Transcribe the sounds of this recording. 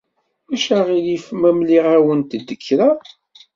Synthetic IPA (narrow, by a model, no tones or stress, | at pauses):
mæʃæʁilifmæmliʁæwənt̪d̪ːəkːɾa